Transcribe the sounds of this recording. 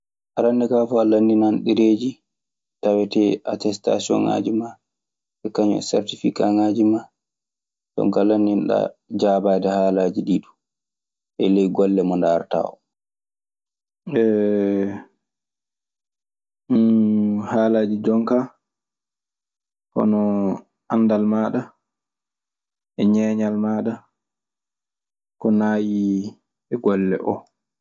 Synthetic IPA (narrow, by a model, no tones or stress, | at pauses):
ʔaɾandɛkafɔalanːinanɗiɾeːd͡ʒi | tawɛtɛʔatɛsta̰siɔ̰ŋa̰ːd͡ʒima | ɓɛkaɲɔ̰sɛ̰ɾtifikaŋad͡ʒima | tɔ̰ŋkalanːinɗa̰d͡ʒaːbaːdɛhaːlad͡ʒiɗiɗu | ʔɛlɛjɡɔlːɛmɔndaɾta̰ːwɔ̰ | ɛ | haːlaːd͡ʒid͡ʒɔŋka | kɔ̰nɔ | anːdalmaːɗa | ʔɛɲɛːɲalmaːɗa | kɔnaːji | ɛɡɔlːɛ̰ʔɔ̰